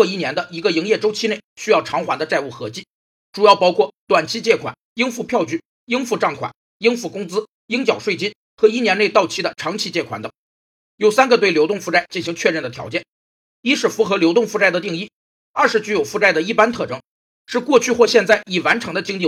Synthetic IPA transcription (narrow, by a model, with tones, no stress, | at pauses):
ɔ˥˧i˥˩njɛ˧˥nd̪ə˧i˧˥ɡə˧i˧˥ŋjɛ˥˩ʈ͡ʂo˥ʊt͡ɕʰi˥ne˥˩ɪɕy˥jɑ˥˩ʊʈ͡ʂʰɑ˧˥ŋxwa˧˥nd̪ə˧t͡sa˥˧ɪu˥˩xɤ˧˥t͡ɕi˥˩ | ʈ͡ʂu˨˩jɑ˥˩ʊpɑ˥ʊkʰwɔ˥˩t̪wa˨˩nt͡ɕʰi˥t͡ɕjɛ˥˩kʰwa̰˨˩˦ni˥nfu˥˧pʰjɑ˥˧ʊt͡ɕy˥˩ | i˥nfu˥˧ʈ͡ʂɑ˥˩ŋkʰwa̰˨˩˦n | i˥nfu˥˩kʊ˥ŋt͡sɹ̩˥ | i˥ŋt͡ɕjɑ˨˩ʊʂwe˥˩ɪt͡ɕi˥n | xɤ˧˥i˥˩njɛ˧ne˥˧ɪt̪ɑ˥˩ʊt͡ɕʰi˥d̪ə˨ʈ͡ʂʰɑ˧˥ŋt͡ɕʰi˧˥t͡ɕjɛ˥˩kʰwa̰˨˩nd̪ɤ˨˩˦ŋ | jo˨˩ʊsa˥nɡə˨˧t̪we˥˩ɪljo˧˥ʊt̪ʊ˥˧ŋfu˥˧ʈ͡ʂa˥˩ɪt͡ɕi˥˩nɕi˧˥ŋt͡ɕʰɥɛ˥˧ɻə˥˩nd̪ə˩t̪ʰjɑ˧˥ʊt͡ɕjɛ˥˩n | i˥ʂɻ̩˥˩fu˧˥xɤ˧˥ljo˧˥ʊt̪ʊ˥˧ŋfu˥˧ʈ͡ʂa˥˩ɪd̪ə˩t̪i˥˧ŋi˥˩ | ɐ˞˥˩ʂɻ̩˧˥t͡ɕy˧˥jo˨˩ʊfu˥˧ʈ͡ʂa˥˩ɪd̪ə˩i˥˩pa˥nt̪ʰɤ˥˩ʈ͡ʂɤ˥ŋ | ʂɻ̩˥˧kwɔ˥˧t͡ɕʰy˥˧xwɔ˥˧ɕjɛ˥˧nt͡sa˥˩ɪi˨˩wa˧˥nʈ͡ʂʰɤ˧˥ŋd̪ə˧t͡ɕi˥ŋt̪i˥˩